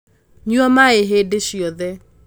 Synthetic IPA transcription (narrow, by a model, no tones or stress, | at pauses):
ɲuɔmaeɦedeʃiɔðɛ